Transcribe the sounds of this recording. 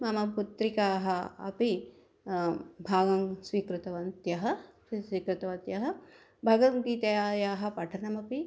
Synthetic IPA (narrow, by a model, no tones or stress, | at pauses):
mɐmɐput̪ɾikaːɦɐɐ̰pi | bʱaːɡɐŋsʋiːkɾut̪ɐʋɐnt̪jɐɦɐ | isʋiːkɾut̪ɐʋɐt̪jɐɦɐ̆ | bʱɐɡɐŋɡiːt̪ɐjaːjaːɦɐ̆pɐʈʰɐnɐmɐpi